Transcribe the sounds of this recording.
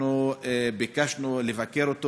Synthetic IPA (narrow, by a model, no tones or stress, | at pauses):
uebikaʃnulevakeʁot̪o